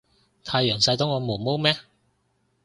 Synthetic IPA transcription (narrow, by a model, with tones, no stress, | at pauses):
t̪ʰaː˧jœː˨˩ŋsɐ˧jt̪ʊ˥ŋɔː˨˧mo˨˩mo˥wmɛː˥